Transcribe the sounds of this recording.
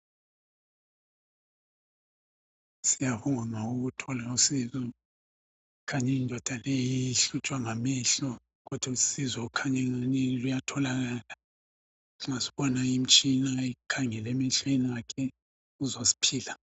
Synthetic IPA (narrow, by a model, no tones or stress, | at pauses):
sijaβuŋaŋauɣutʰɔlausizɔ | kʰaɲɛindʱɔd̥ʱaleiiɬut͡ʃʼwaŋamiɬɔ | ɣɔd̥ʱwasizɔkʰaɲɛŋaɲɛlujatʰɔlaɣaːla | asi̥βɔnaim̩t͡ʃʼinaikʰaŋɛlɛmiɬɔinakʰɛ | uzosi̥pʰiːla